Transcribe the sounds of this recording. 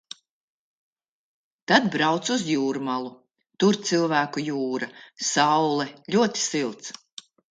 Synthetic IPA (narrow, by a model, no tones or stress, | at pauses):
t̪ad̪bɾawt̪suzjuːɾmalˠu | t̪uɾt̪silˠvæːkujuːɾasawlɛlʲuɔt̪i̥silˠt̪s